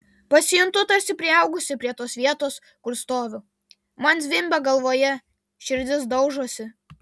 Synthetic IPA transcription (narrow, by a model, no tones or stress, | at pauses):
pɐsʲɪjʊnt̪ʊt̪ɐɾʲsʲɪpʲɾʲɪɛʊɡʊsʲɪpʲɾʲiɛt̪oːsʋʲiɛt̪oːs | kʊɾst̪oːʋʲʊ | mɐnsʲʋʲɪmʲbʲɛɡɐlˠʋoːjɛ | ʃʲɪɾʲd̪ʲɪs̬d̪ɐʊʒoɔsʲɪ